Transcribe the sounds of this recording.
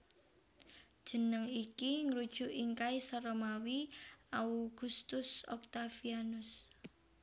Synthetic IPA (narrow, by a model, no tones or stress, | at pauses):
d̥ʒ̥ə̤nəŋikiŋɾud̥ʒ̥ṳʔiŋkaisɔɾɔmawiauɡ̥ust̪ʊsɔ̰k̚t̪afianʊs